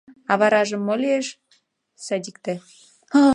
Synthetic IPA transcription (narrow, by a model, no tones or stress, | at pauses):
ɑβɑɾɑʒə̆mːolʲieʃ | sɑd̪ʲikt̪ĕ